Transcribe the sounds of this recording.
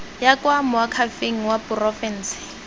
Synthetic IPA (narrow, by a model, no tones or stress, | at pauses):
jakʼwamʊakʰafeŋ̩wapʊrɔfɛn̩sɪ̥